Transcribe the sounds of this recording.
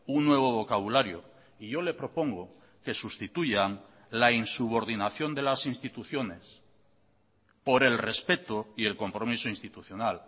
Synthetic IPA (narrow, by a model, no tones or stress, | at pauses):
unːwe̞β̞o̞β̞o̞kaβulaɾjo | iʝo̞le̞pɾo̞po̞ŋɡo | ke̞sust̪it̪uʝaŋ | lainsuβ̞o̞ɾðinaθjo̞nd̪e̞lasinst̪it̪uθjo̞ne̞s | po̞ɾe̞lre̞spe̞t̪oie̞lko̞mpɾo̞misoinst̪it̪uθjo̞nal